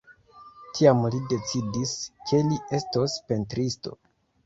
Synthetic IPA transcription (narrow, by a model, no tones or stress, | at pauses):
tʰiamlide̞t͡sidiskʰe̞lie̞stospe̞ntɾisto̞̰